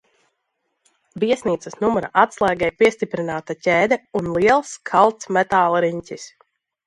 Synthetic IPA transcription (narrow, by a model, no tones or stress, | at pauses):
biɛsniːt̪səsnumɔɾa̰ʔat̪slˠaːɡɛjpiɛst̪ipɾinaːt̪acʲɛːd̪ɛunlˠiɛlˠskʰalˠt̪smɛt̪aːlˠɾiɲcʲis